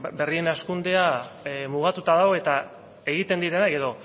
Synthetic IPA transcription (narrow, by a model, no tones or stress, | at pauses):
be̞rie̞naskund̪e̞amuɣat̪ut̪aðaoe̞t̪a | e̞ɣ̞it̪e̞nd̪iɾe̞naje̞ðo̞